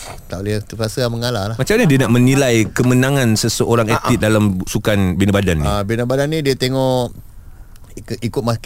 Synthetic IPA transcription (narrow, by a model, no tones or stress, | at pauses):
t̪alit̪upasəaməŋalalamat͡ʃamɲadiənaʔmənilajkəmənãŋãnsəsəʔoɾaŋet̪it̪̚dalamusukanbinabadanːiabinabadanːĩdiət̪eŋɔʔ | ikʊt̪̚mak